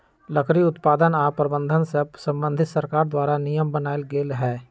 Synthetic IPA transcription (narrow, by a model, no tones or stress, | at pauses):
ləkʰɾiʊt̪paːd̪ənaːpɾəbə̃nd̪ʱənsesə̃mbə̃nd̪ʱɪt̪səɾkaːɾd̪waːɾanijəmbənaːelɡeːlɦɛː